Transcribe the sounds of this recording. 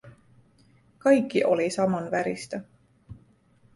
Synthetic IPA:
kɑjkːiʔo̞lisɑmonvæɾist̪ɑ

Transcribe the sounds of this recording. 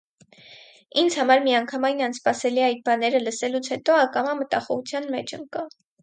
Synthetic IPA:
ind͡zhɑmɑɾmiɑŋkʰɑmɑjnɑnspɑsɛliɑjt̪̚bɑnɛɾələsɛlut͡sʰhɛt̪ɔɑkɑmɑmət̪ɑχɔʁut͡sʰjɑnmɛt͡ʃʰə̰ŋkɑ

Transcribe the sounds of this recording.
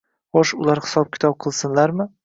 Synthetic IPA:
χoʃʊlˠaɾhɪ̥sɒp̚kʲɪ̥t̪ɒp̚qʰɨlˠsɪnlaɾmɪ

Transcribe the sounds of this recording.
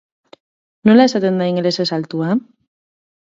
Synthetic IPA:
nolasat̪end̪aiŋlesesalt̪ua

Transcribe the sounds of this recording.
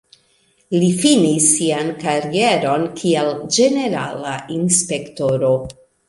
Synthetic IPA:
lifinisːiankaɾie̞ɾo̞nkʰield͡ʒe̞ne̞ɾa̰lainspe̞kto̞ɾo̞

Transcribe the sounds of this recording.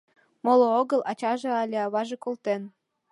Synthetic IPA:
molooɣɤ̆lɑt͡ɕɑʒĕɑlʲeɑβɑʒĕkolt̪en

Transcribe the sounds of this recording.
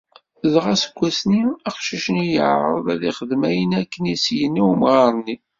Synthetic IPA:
ðʁɑsə̥ɡʷːæsniɑqʃiʃənijə̰ʕɾˤɾˤə̰ðæðiχəðmæjənækːənisjənːiwmʁˤɑɾˤnːi

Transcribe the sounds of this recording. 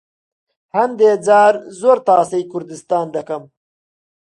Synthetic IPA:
hɐmd̪eːd͡zaːɾzoːɾt̪ɑːsɐjkʊɾd̪ist̪ɑːnd̪ɐkɐm

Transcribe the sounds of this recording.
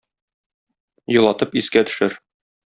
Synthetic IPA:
jŏlˠɑt̪ɤpiskæt̪ɵ̥̆ʃɘɾ

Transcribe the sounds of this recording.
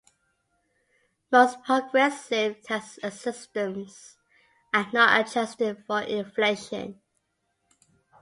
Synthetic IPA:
moʊspʰɹ̥əɡɹɛsɪv̥tʰɛstəsɪstə̃mz̥ | ənətə̰d͡ʒɛstɪd̥fəɹʔɪ̃nfleɪʃə̰̃n

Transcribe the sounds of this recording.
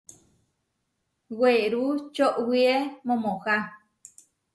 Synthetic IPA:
weɾut͡ʃoʔwiemõmõha

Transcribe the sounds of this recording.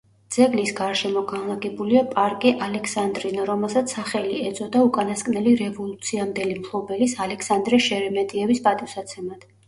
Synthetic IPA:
d̪z̥ɛɡlisɡaɾʃɛmɔɡanlˠaɡɛbuliapʼaɾkʼiʔalɛkʰsand̪ɾinaɾɔmɛlˠsat̪sːaχɛliɛd̪zʼɔd̪aukʼanaskʼnɛliɾɛvɔlˠut̪sʰiamd̪ɛlimkʰlˠɔbɛlisalɛkʰsand̪ɾɛʃɛɾɛmɛt̪ʼiɛvispʼat̪ʼifsat̪sʰɛmat̪

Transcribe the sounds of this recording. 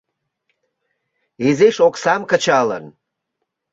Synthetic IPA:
ezeʃoksɑmkət͡ɕɑlə̰n

